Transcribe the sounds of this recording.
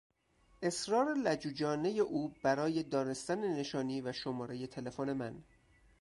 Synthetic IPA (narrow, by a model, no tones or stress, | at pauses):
ʔe̞sɾɒːɾelæd͡ʒuːd͡ʒɒːne̞je̞ʔuːb̥æɾɒːje̞d̪ɒːne̞st̪ænene̞ʃɒːniːvæʃomɒːɾe̞je̞t̪ʰe̞le̞fone̞mæn